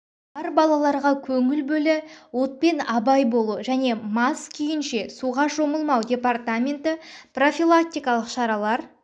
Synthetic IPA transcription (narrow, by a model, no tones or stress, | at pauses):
ɑɾbɑlˠɑlˠɑɾʁɑkʲʰɵŋɪlbɵlɪwo̞t̪̚pe̞nɑbɑjbo̞lˠuʒæne̞mɑskʲʰejɪnʃe̞suʁɑʒo̞məlˠmɑwdʲe̞part̪amʲe̞nt̪ɪpro̞fʲilˠak̚t̪ʲijkɑlˠəqʃɑɾɑlˠɑɾ